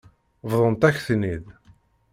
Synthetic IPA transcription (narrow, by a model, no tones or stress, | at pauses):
vðˤənt̪æçθnið